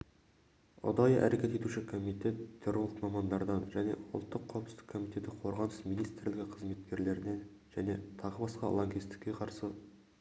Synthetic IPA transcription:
ʊ̰d̪ɑjəʔæ̰ɾʔekʲe̞t̪e̞t̪uʃɪkʰo̞mijt̪e̞t̪ʰːeɾolˠkmɑmɑnd̪ɑɾd̪ɑnʒæne̞̰ʊlˠt̪ːəqʰːɑwəpsɪ̥kʰːo̞mijt̪e̞t̪ɪqʰo̞ɾʁɑnəsminijst̪ɾlɪɡʲɪqʰəzme̞t̪kʲe̞ɾle̞ɾɪne̞n | ʒ̥æne̞t̪ʰɑʁəbɑsqɑ̰lˠoŋɡʲijst̪ɪ̥kʲːe̞qʰɑɾsə

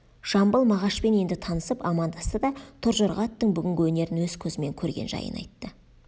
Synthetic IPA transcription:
ʒ̥ɑmbəlˠmɑʁɑʃpe̞ne̞nd̪ɪt̪ʰɑnəsəpɑmɑnd̪ɑst̪əd̪ɑt̪ʰʊɾʒoɾʁɑt̪ːəɴbʏɡʲɪŋɡʲɪwɵne̞ɾɪnwɵz̥kʲʰɵzɪme̞ŋkʲʰɵɾɡʲe̞̰nʒɑ̰jə̰nɑ̰jt̪ːə

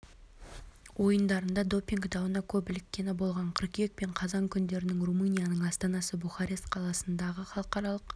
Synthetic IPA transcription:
wo̞jənd̪ɑɾənd̪ɑd̪o̞pʲiŋɡd̪ɑwənɑkʲʰɵpɪlɪkʲːe̞nɪbo̞lˠʁɑɴqʰəɾkʲek̚pe̞ɴqʰɑzɑŋkʲʰʏnd̪e̞ɾɪnɪŋrumunʲijanəɴɑst̪ɑnɑsəbuχɑɾe̞st̪qʰɑlˠɑsənd̪ɑʁəχɑlˠəqɑɾɑlˠəq

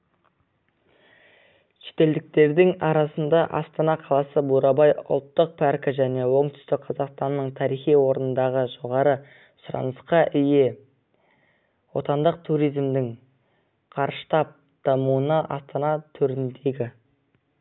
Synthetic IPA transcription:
ʃe̥t̪e̞ld̪ɪk̚t̪e̞ɾd̪ɪŋɑɾɑsənd̪ɑʔɑst̪ɑnɑqʰɑlˠɑsəbuɾɑbɑjʊ̰lˠt̪ːəq̚pʰɑɾkɪʒæne̞wo̞ɴt̪ʏ̥st̪ɪk̚qʰɑzɑqst̪ɑnːəɴt̪ʰɑɾijχijwo̞ɾənənd̪ɑʁəʒo̞ʁɑɾə | sʊɾɑ̰nəsqɑʔʏje̞ | wo̞̰t̪ɑnd̪əq̚t̪ʰuɾijzmd̪ɪŋ | qʰɑɾʃə̥t̪ɑp̚ | d̪̥ɑmuənɑʔɑ̰st̪ɑnɑt̪ʰɵɾɪnd̪e̞ɡʲɪ

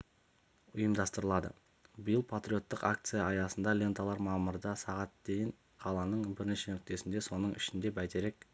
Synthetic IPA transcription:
ʊjəmd̪ɑst̪əɾəlˠɑd̪ə̰ | bijəlˠpʰat̪ɾʲio̞t̪ːəqa̰kt̪sɨjɑɑjɑsənd̪ɑlʲe̞nt̪alˠɑɾmɑməɾd̪ɑsɑʁɑt̪̚d̪e̞jɪɴ | qʰɑlˠɑnəɴbɪɾneʃe̞nʏk̚t̪e̞sɪnd̪e̞so̞nəɴɪʃɪnd̪e̞bæt̪e̞ɾe̞k̚

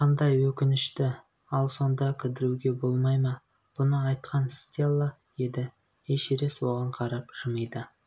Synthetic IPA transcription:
qʰɑnd̪ɑjwɵkʲɪnɪʃt̪ɪ | ɑlˠso̞nd̪ɑkʲʰɪd̪ɪɾuɡʲe̞bo̞lˠmɑjmɑ | b̥ʊnəɑjt̪qɑnsʲt̪ʲelˠːɑ | je̞d̪ɪ | eʃeɾe̞swo̞ʁɑɴqʰɑɾɑpʒ̥əməjd̪ə

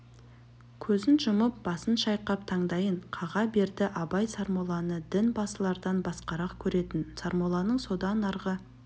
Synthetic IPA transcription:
kʲʰɵzɪnʒəməp̚bɑsənʃɑjqɑp̚t̪ʰɑɴd̪ɑjəɴqʰɑʁɑbe̞ɾd̪ɪʔɑbɑjsɑɾmolˠɑnəd̪ɪnbɑsəlˠɑɾd̪ɑnbɑsqɑɾɑqkʲʰɵɾe̞t̪ɪnsɑɾmolˠɑnəɴso̞d̪ɑnɑɾʁə

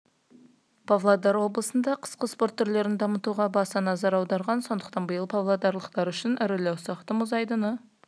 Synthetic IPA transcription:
pʰavlˠad̪ɑɾwo̞blˠəsənd̪ɑqʰə̥sqəspo̞ɾt̪ʰːʏɾle̞ɾɪnd̪ɑmət̪uʁɑbɑsɑnɑzɑɾɑwd̪ɑɾʁɑnso̞nd̪əqt̪ɑnbəjəlˠpʰavlˠad̪ɑɾlˠəqt̪ɑɾʏʃɪnʔɪɾɪlæwsɑqt̪əmʊzɑjd̪ənə

